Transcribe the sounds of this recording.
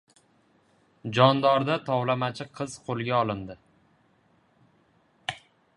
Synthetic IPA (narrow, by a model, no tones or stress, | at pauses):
d͡ʒɒnd̪ɒɾd̪at̪ʰɒwlamat͡ʃʰɪqʰɨz̥qʰolˠɡʲaɒlˠɪnd̪ɪ